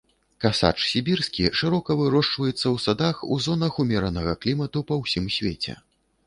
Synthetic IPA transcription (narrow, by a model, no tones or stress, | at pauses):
kasa̰t͡ʂsʲibʲirskʲiʂɨɾɔkɐvɨɾɔʂt͡ʂvɐjɛt̪sːɐwsad̪axuzɔnɐxumʲɛɾɐnɐɣɐklʲimɐt̪upɐwsʲimsʲvʲet͡sʲɛ̰